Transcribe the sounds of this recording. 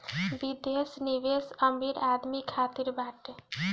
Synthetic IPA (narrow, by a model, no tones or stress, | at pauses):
bid̪esniʋesəmiɾaːd̪mikʰaːt̪iɾbaːʈe